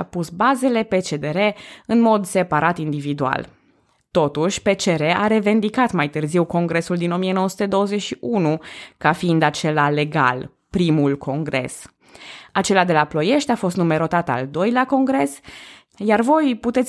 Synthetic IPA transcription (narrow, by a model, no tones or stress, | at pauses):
apusbaze̞le̞pe̞t͡ʃe̞d̪e̞ɾe̞ɨnmo̞d̪se̞paɾat̪ind̪ivid̪ua̰l | t̪o̞t̪uʃʲpe̞t͡ʃe̞ɾe̞ʔaɾe̞ve̞nd̪ikat̪majt̪ɨrziwko̞ŋɡɾe̞suld̪ino̞mijenowəsu̥t̪e̞d̪o̞wəzeʃiʔunukafiːnd̪at͡ʃe̞lale̞ɡa̰l | pɾimulkʰo̞ŋɡɾe̞̰s | at͡ʃe̞lad̪e̞laplo̞je̞ʃt̪ʲafo̞st̪nume̞ɾo̞t̪at̪a̰ld̪o̞jlako̞ŋɡɾe̞s | jarvo̞jput̪e̞t̪